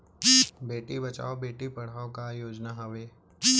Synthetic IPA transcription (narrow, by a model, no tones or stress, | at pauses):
beːʈibɐt͡ʃa̰ːobeːʈipɐɽ̤aːokajoːd͡ʒnaɦɐʋeː